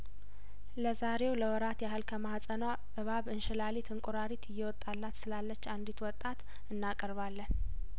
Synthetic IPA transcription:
ləzaɾe̞wləwɔɾat̪jahɨlkʰəmahasʼəna | ʔɨβaβɨnʃɪlalit̪ʰɨŋkʼuɾaɾit̪ʰɨjːɛwɔt̪ʼːalːat̪sɨlalːət͡ʃːand̪it̪wɔt̪ʼːat̪ | ɨnːakʼəɾβalːən

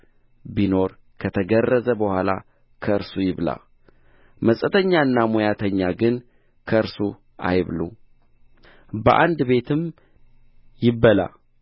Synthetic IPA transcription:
bino̞ɾ | kʰət̪ʰəɡərːəzəbəhʷwʷala̰ | kʰəɨɾsujɪβla̰ | məsʼət̪ʰəɲːaɨnːamojat̪ʰəɲːaɡɨn | kʰəɨɾsu | a̰jβlṵ | bəʔa̰nd̪be̞t̪ʰɨm | jɪbːəla̰

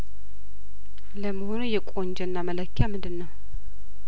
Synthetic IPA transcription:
ləməhonujɛkʷʼo̞nd͡ʒɛnːamələkʰːjamɨndɨnːəw

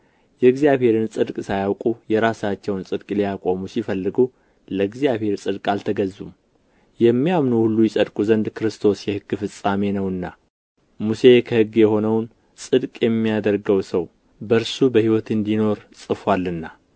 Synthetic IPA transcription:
jɛɡzijaβhe̞ɾɨnsʼɨd̪kʼsajawkʼujɛɾasat͡ʃːɛwnsʼɨd̪kʼlijakʼo̞musifəlːɨɡu | ləɡzijaβhe̞ɾsʼɨd̪kʼalt̪ʰəɡəzːum | jɛmːijamnuhulːujɛsʼəd̪kʼuzənd̪kʰɨɾɨst̪ʰo̞sjɛhɨɡːfɨsʼame̞nəwɨnːa | muse̞kʰəhɨɡːjɛho̞nəwn | sʼɨd̪kʼjɛmːijad̪əɾɡəwsəw | bəɾsubəhiwɔt̪ɨnd̪ino̞ɾsʼɨfwalːɨnːa

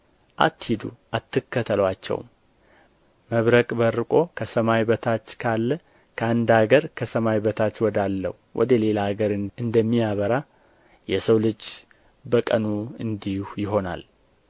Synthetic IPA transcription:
ʔa̰t̪ːhid̪ṵʔat̪ːɨkːət̪ʰəlwat͡ʃːɛ̰wm | məβɾəkʼbəɾːɨkʼo̞kʰəsəmajbət̪ʰat͡ʃːkʰalːə | kʰəand̪aɡəɾkʰəsəmajbət̪ʰat͡ʃːwɔd̪alːə̰huwʔɔ̰d̪əle̞laɡəɾɨɨnd̪əmːijaβəɾa | jɛsəwlɨd͡ʒ | bəkʼənuɨnd̪ihujɪɦo̞na̰l

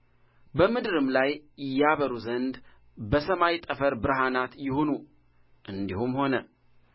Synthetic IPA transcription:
bəmɨd̪ɨɾɨmlajɪjːaβəɾuzənd̪ | bəsəmajt̪ʼəfəɾbɨɾɦanat̪jɪhonu | ʔɨnd̪ihumho̞nə

